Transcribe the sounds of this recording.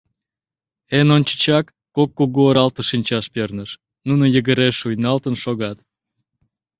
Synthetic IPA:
enont͡ɕə̥t͡ɕɑkːokːuɣuoɾɑlt̪əʃinʲt͡ɕɑʃpernəʃ | nunojəɣəɾeʃujnɑlt̪ənʃoɣɑt̪

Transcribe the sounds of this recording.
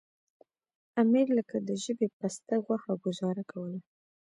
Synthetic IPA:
amiɾləkad̪əʒəbepast̪aɣwaxaɡʊzɑɾakʰawəla

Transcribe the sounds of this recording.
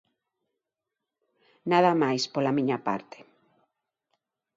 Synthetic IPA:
naðamajspolamĩɲapa̰ɾt̪e̥

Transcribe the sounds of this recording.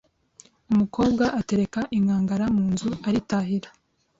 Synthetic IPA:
umuko̞ːbɡaʔate̞ɾe̞kaʔiŋɡaːŋɡaɾamuːnzuaɾitaɦiɾa

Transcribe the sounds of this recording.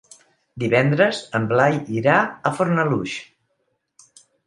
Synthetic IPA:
d̪iβɛnd̪ɾəzəmblajiɾaəfoɾnəluʃ

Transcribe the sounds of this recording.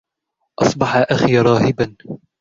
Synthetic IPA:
ʔɑsˤbɑħaʔaxiɾˤɑːhɪban

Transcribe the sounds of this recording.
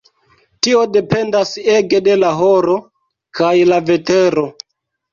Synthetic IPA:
tio̞de̞pe̞ndase̞ɡe̞de̞laɦoɾo̞ | kajlave̞te̞ɾo̞

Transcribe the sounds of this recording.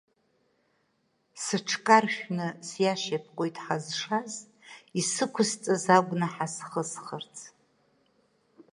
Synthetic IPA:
sɨʈ͡ʂʰkʼarʃᶣnɨsjaʃapʰqʼojtʼħazʂaz | isɨkʷʰʊzt͡sʼazaɡʷnɨħasχəsχərt͡sʰʼ

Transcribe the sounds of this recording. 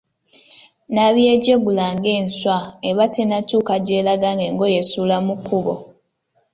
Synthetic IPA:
naβjeɟeɡulaŋɡe̞ːnswaeβatenatuːkaɟe̞ːlaɡaŋɡe̞ŋɡo̞jesulamukuβo̰

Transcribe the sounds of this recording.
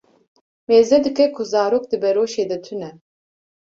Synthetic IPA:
meːzɛd̪ɨkʰɛkʰuzaːɾoːk̚d̪ɨbɛɾoːʃeːd̪ɛt̪ʰynɛ

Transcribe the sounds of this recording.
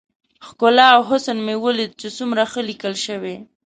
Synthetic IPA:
xkʊlɑːwɦʊsənmewəled̪t͡ʃesumɾaxəlikəlʃəwe

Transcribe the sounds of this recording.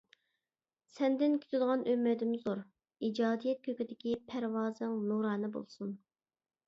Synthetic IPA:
sɛnd̪ɪnkʲʰe̥t̪ʰɪd̪əʁɑnʔømːɛd̪ɪmzoɾ | id͡ʒɑːd̪ijɛt̪̚kʲʰøkʲid̪ɪkʲipʰæɾwɑːzɨŋnuɾɑːnɨbo̰lˠsun

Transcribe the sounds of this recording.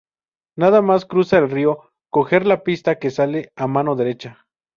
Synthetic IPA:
naðamaskɾusaelrio | koxeɾlapist̪akesaleamanoðeɾet͡ʃa

